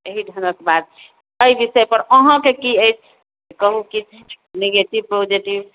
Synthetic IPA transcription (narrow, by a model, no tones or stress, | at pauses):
eɦiɖʱənəkebad̪̚ | əibisəjpəɾəɦãkekiəjt͡ʃʰ | kəɦuki | neɡeʈibpɾod͡ʒeʈib